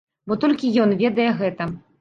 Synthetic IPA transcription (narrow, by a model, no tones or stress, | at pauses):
bɔt̪ɔlʲkʲijɔnvʲɛd̪ɐjɛɣɛt̪ɐ